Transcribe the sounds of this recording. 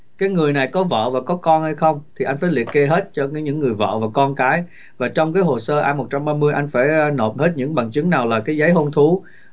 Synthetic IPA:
kaː˨˦jŋɨ˨˩əjna˨˩jkɔ˨˦və̰ː˧˨vaː˨˩kɔ˨˦kɔ˧nhə˧jxə˧wŋ͡mt̪ʰi˨˩ʔa˧j̟faː˧˩jlḭ˨ətke˧ɦe˦˥t̚t͡ɕɔ˧˨˦ɲɨ̰˧˥ŋːɨ˨˩əjvə̰ː˧˨vaː˨˩kɔ˧nkaː˨˦j | vaː˨˩t͡ɕɔ˧wŋ͡mkaː˨˦jɦo˨˩səː˧ʔaː˧mo˨˩t̚t͡ɕa˧mɓaː˧mɨ˧əjʔa˧jŋ̟faː˧˩jno˨˩p̚he˦˥t̚ɲɨ̰˧˥ŋɓa˨˩ŋt͡ɕɨ˨˦ŋnaː˨˩wlaː˨˩kaː˨˦jzə˨˦jɦo˧nt̪ʰu˨˦

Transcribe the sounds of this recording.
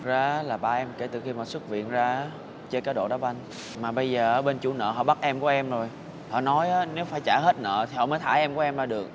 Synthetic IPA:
zaː˧˩˦laː˨˩ɓaː˧˩ʔɛ˧mke˧˩t̪ɨ˨˩xi˧ma˨˩swɨ˦˥t̚vḭ˧˨ənzaː˧˨˦ | t͡ɕe˧kaː˨˦˥ɗo̰˧˨ɗɔ˨˦wʔa˧jŋ̟ | maː˨˩ɓə˧jzəː˨˩ʔːɓe˧nt͡ɕu˧˦nə̰ː˧˨ɦɔ̰˧˨ɓa˦˥t̚ʔɛ˧mku˧˩əʔɛ˧mzo˨˩j | hɔ̰˧˨nɔ˨˦jʔaː˨˦ne˨˦wfaː˧˩jt͡ɕaː˧˩ɦe˦˥t̚nə̰ː˧˨t̪ʰi˨˩hɔ̰˧˨məː˨˦jt̪ʰaː˧˩˦ʔɛ˧mku˧˩˦ʔɛ˧mzaː˧˩ɗɨ˨˩ək̚

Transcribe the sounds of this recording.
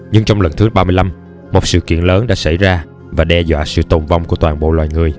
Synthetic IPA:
ɲɨ˧ŋt͡ɕɔ˧wŋ͡mlə˨˩nt̪ɨ˨˦˥ɓaː˧mɨ˧əjla˧m | mo˨˩t̚sɨ̰˧˨kḭ˧˨ənləː˨˦nɗa̰ː˧˥sa˧˩jzaː˧ | vaː˨˩ɗɛ˧zwa̰ː˧˨sɨ̰˧˨t̪o˨˩nva˧wŋ͡mku˧˩ət̪waː˨˩nɓo̰˧˨lwaː˨˩jŋɨ˨˩əj

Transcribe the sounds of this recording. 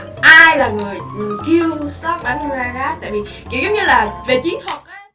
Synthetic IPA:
ʔaː˧jlaː˨˩ŋɨ˨˩əjki˧əwsɔ˦˥t̚ɓaː˨˦n˧aː˧haː˦˥t̪a̰ː˧˨jvi˨˩ki˧˩˦wzə˨˦wŋ͡mɲɨ˧laː˨˩ve˨˩t͡ɕi˨˦nt̪ʰwə˨˩t̚ʔaː˦

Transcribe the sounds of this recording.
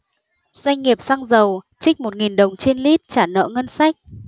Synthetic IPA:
z̥wa˧jŋ̟ŋi˨˩əp̚sa˧ŋzə˨˩w | t͡ɕï˦˥k̟̚mo˨˩t̚ŋi˨˩nɗə˨˩wŋ͡mt͡ɕe˧nli˦˥t̚t͡ɕaː˧˩nə̰ː˧˥ŋə˧nsa˦˥jk̚

